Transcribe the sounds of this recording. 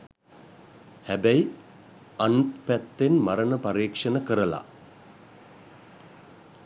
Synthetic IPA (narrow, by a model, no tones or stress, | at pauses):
hæbæi | anut̪pæt̪ːenmaɾənəpaɾiːkʂənəkəɾəla̰